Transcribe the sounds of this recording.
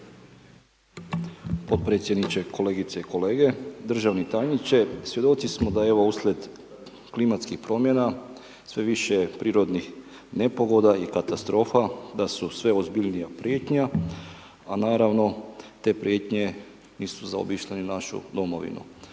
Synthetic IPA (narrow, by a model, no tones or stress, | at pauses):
po̞t̪̚pɾe̞t̪sʲjed̪nit͡ʃekʰo̞le̞ːɡit̪seiko̞le̞ːɡe̞d̪r̩ʒaʋnit̪ajɲit͡ʃe̞sʋje̞d̪o̞t̪sismo̞d̪ajeʋouːslʲe̞d̪ | klimat̪skixpɾo̞mje̞na | sʋe̞ʋiʃepɾiːɾo̞d̪nix | ne̞po̞ɡo̞d̪aikat̪ast̪ɾo̞ːfad̪asusʋe̞ozbiʎnijapɾje̞ːt̪ɲa | anaːɾaʋno̞t̪e̞ːpɾje̞t̪ɲe̞ | niːsuza̰o̰biʃʎeninaʃṵd̪o̞mo̞ʋḭnṵ